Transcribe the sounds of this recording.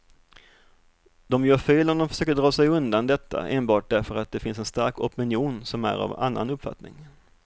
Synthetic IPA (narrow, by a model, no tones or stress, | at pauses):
d̪̥ɔmjœːfeːlɔmd̪ɔmfœ̥ʂøːkəɖɾɑːsɛjɵnd̪and̪ɛt̪ʰːa̰ʔeːnbɑːʈ̚d̪æɾfœɾat̪̚d̪ɛfɪns̬ɛnst̪aɾkɔpɪnjuːnsɔmæ̰ɾa̰va̰nːa̰nɵpːfa̰t̪nɪŋ